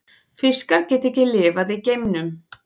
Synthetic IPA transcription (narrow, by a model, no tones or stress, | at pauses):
fɪskaɾcɛːt̪ehcɪlɪːvaðicejmnʏm